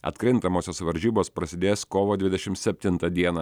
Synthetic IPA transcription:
ɐ̰t̪kɾʲɪnt̪ɐmoːsʲoːsʋɐɾʲʒʲiːboːspɾɐsʲɪd̪ʲeːskoːʋoːd̪ʲʋʲɪd̪ʲɛʃʲɪmt̪sʲɛpʲt̪ʲɪnt̪ɐd̪ʲiɛnɐ

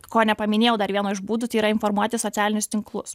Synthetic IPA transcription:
koːnʲɛpɐmʲɪnʲeːjɛʊd̪ɐɾʋʲiɛnoːɪʒbuːd̪ut̪ɐɪiːɾɐɪnfɔɾmuɔt̪ʲɪsɔt̪sʲæːlʲɪnʲʊst̪ʲɪŋklˠʊs

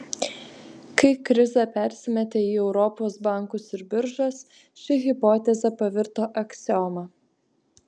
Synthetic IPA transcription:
kɐɪkɾʲɪzɛpʲæˑɾʲsʲɪmʲɛt̪ʲeːiːɛʊɾɔpoːsbɑˑŋˑkʊsɪɾbʲɪɾʒɐs | ʃʲɪɣʲɪpɔːt̪ʲɛzʲɛpɐʋʲɪɾt̪oːʔɐksʲɔmɐ

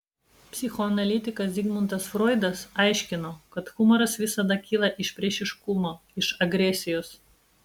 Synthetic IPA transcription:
pʲsʲɪxɔɐnɐlʲit̪ʲɪkɐsd̪ʲiɡmʊnt̪ɐsfɾɔːɪd̪ɐsɐɪʃʲkʲɪnoːkɐt̪xʊmɐɾɐsʋʲɪsɐd̪ɐkʲiːlˠɐʔɪʃpʲɾʲiɛʃʲɪʃkʊmoː | ɪʃɐɡɾʲɛsʲɪjoːs

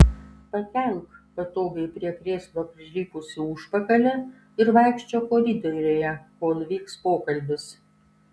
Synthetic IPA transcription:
pɐt̪ʲɛŋkpɐt̪oːɡɐɪpʲɾʲiɛkɾʲeːslʲˠoːpʲɾʲɪɾʲiːkʊsʲɪʊʃpɐkɐlʲɛ | ɪɾʋɑɪkʃʲt͡ʃʲoːkoːɾʲɪd̪oɾʲoːjɛkoːnʊʋʲiːkspoːkɐlʲbʲɪs

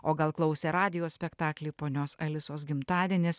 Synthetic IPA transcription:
oːɡɐlˠklˠɒʊsʲɛːɾɑːd̪ʲɪjoːsʲpʲɛkt̪ɑːklʲiːpoːnʲoːsɐlʲɪsoːsɡʲɪmt̪ɑːd̪ʲiɛnʲɪs

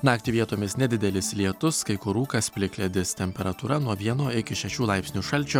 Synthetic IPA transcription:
nɑːkt̪ʲɪʋʲiɛt̪oːmʲɪsnʲɛd̪ʲɪd̪ʲɛlʲɪslʲiɛt̪ʊskɐɪkʊɾuːkɐspʲlʲɪklʲɛd̪ʲɪst̪ʲɛmʲpʲɛɾɐt̪uːɾɐnuɔʋʲiɛnoːɪkʲɪʃʲɛʃʲuːlˠɑɪpʲsʲnʲuːʃɐlʲt͡ʃʲu

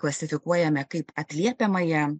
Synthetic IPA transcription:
klˠɐsʲɪfʲɪkuɔjɛmʲɛkɐɪpɐt̪ʲlʲiɛpʲɛmɐjɛ

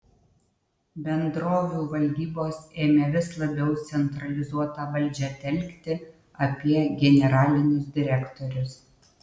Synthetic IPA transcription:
bʲɛnd̪ɾoːʋʲuːʋɐlʲd̪ʲiːboːseːmʲeːʋʲɪslˠɐbʲɛʊt̪sʲɛnt̪ɾɐlʲɪzuɔt̪ɑːʋɐlʲˑd͡ʒʲæt̪ʲɛlʲˑkt̪ʲɪ | ɐpʲiɛɡʲɛnʲɛɾɑːlʲɪnʲʊsd̪ʲɪɾʲɛkt̪ɔɾʲʊs

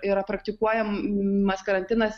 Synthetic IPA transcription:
ɪɾɐpɾɐk̚t̪ʲɪkuɔjɛmmɐskɐɾɐnʲt̪ʲɪnɐs

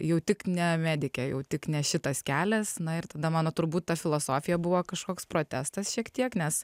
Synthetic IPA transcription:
jɛʊt̪ʲɪknʲɛmʲæːd̪ʲɪkʲɛjɛ̰ʊt̪ʲɪknʲɛʃʲɪt̪ɐskʲæːlʲɛsnɐɪrt̪ɐd̪ɐmɑːnoːt̪ʊɾbuːt̪t̪ɐfʲɪlˠoːsoːfʲɪjɛbʊʋoːkɐʃkoːkspɾoːt̪ʲæːst̪ɐsʃʲiɛkt̪ʲiɛknʲɛs

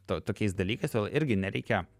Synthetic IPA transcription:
t̪oːt̪oːkʲɛɪsd̪ɐlʲiːkɐɪsʋʲeːlˠʔɪɾʲɡʲɪnʲɛɾʲɛɪkʲɛ

